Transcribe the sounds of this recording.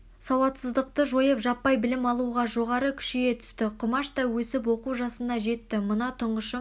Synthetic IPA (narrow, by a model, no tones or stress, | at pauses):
sɑwɑt̪səzd̪əq̚t̪əʒo̞jəpʒɑpːɑjbɪlɪmɑlˠuʁɑʒo̞ʁɑɾəkʲʰʏ̥ʃejet̪ʰʏ̥st̪ɪqʰʊmɑʃt̪ɑwɵsɪp̬wo̞quwʒɑsənd̪ɑʒe̞t̪ːɪmənɑt̪ʰʊɴʁəʃə